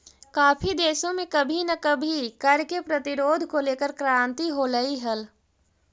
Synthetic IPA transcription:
kaːpʰid̪eːʃõmẽkɐbʱinɐkəbʱikɐɾkepɾət̪ɪɾoːd̪ʱkoleːkəɾkɾãːnt̪iɦoləiɦəl

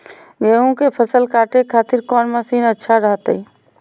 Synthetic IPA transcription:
ɡeũkepʰəsəlkaːʈekʰaːt̪ɪɾkɔːnməsiːnətːʃʰaɾəɦt̪əi

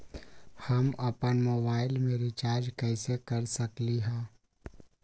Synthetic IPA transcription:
hɐmɐpənmoːbaːɪlmẽɾit͡ʃaːɾd͡ʒkɛːsekɐɾsɐkliɦɛ̃ː

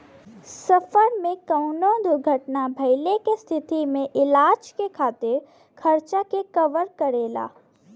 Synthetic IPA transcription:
sɐfəɾmẽkɐʊnõd̪ʊɾɡʱəʈnabʱɐɪlekest̪ʰɪt̪imẽʔɪlaːd͡ʒkekʰaːt̪ɪɾ | kʰɐɾt͡ʃakekɐʋəɾkəɾeːla̰ː

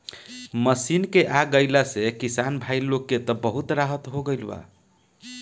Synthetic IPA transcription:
məsinkeʔaɡəɪlasekisanbʱailokːet̪ɔbəɦut̪ɾaɦət̪ɦoɡəjlba̰

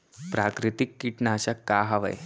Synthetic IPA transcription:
pɾakɾit̪ikːiʈnaɕakaɦaʋə̰j

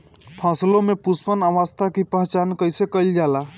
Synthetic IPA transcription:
pʰə̃slomepuspənəʋəst̪ʰakipəɦt͡ʃankəjsekəjld͡ʒala

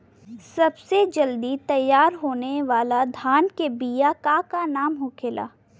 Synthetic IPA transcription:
sɐbsed͡ʒɐld̪it̪ɐjːaːɾɦoːneʋaːlad̪ʱaːnkebijakakanaːmɦokʰela̰ː

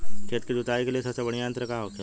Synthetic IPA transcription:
kʰeːt̪kid̪ʊt̪aːikelijesɐbsebəɽijaːənt̪ɾəkaɦoːt̪a

